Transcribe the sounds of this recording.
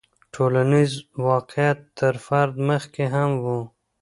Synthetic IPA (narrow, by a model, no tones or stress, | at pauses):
ʈʰolanizwɑqjat̪ːəɾfaɾd̪məxkeɦamwu